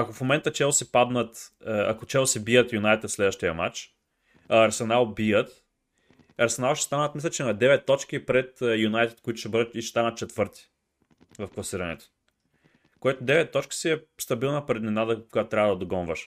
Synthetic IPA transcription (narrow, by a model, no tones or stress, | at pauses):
ɐkofmomɛnt̪ət͡ʃɛlˠsɛpad̪nət̪ɐ̰kot͡ʃɛlˠsɛbijət̪junajt̪ɛt̪t̪slɛd̪vəʃt̪ijɐmat͡ʃ | ɐɐɾsɛnalˠbijət̪ | ɐɾsɛnalˠʃɛ̥st̪anət̪mislʲət͡ʃɛnɐd̪ɛvɛt̪ːɔt͡ʃkipɾɛt̪junajt̪ɛ̥t̪̚koit̪ʊ̥ʃɛbɤd̪əiʃst̪anət̪̚t͡ʃɛt̪vɤɾt̪i̥ | vɐfklˠɐsiɾɐnɛ̰t̪o̥ | kojɛt̪od̪ɛvɛt̪ːɔt͡ʃki̥siɛst̪ɐbilˠnɐpɾɛd̪nɛnad̪əkojat̪t̪ɾʲabvəd̪ɐd̪oɡɔnvəʃ